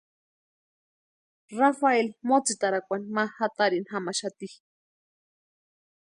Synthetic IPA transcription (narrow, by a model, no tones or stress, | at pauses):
rafaelmot͡sit̪aɾakʷanimahat̪aɾinɦamaʃat̪ih